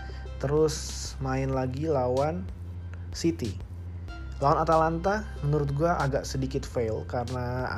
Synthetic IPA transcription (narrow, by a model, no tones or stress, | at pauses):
t̪əɾʊs | maɪnlaɡilawan | sit̪i | lawanat̪alant̪a | mənuɾʊt̪̚ɡuaʔaɡaʔsədikɪt̪felkarəna